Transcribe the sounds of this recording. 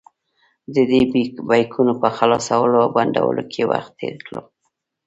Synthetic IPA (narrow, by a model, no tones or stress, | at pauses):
d̪əd̪ebajkʰunopəxalɑsawəloawband̪a̰wə̰lʔokʰewa̰xt̪ːeɾkɽo